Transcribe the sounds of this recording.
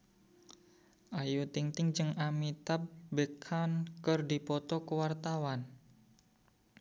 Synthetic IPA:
ʔajut̪iŋt̪ɪŋd͡ʒɨŋamit̪ap̚bəkʰankərdipɔt̪ɔkəwart̪awan

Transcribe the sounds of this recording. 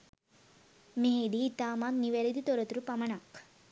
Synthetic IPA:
med̪it̪aːmanniʋeɾid̪it̪oɾɐt̪ɾupɐmɐɳak

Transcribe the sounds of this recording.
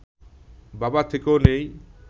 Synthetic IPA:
babat̪ʰekeonej

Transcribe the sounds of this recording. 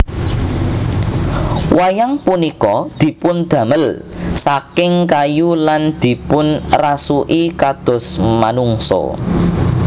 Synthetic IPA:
wajaŋpunikɔd̪̥i̤pʊnd̪̥ä̤məlsakɪŋkajuland̪̥i̤pʊnrasuʔikad̪̥ɔ̤smanuŋsɔ̰

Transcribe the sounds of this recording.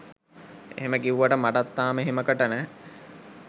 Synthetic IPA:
ḛɦeməkiuʋɐʈəmaʈat̪ːaːmeɦeməkəʈənɛː

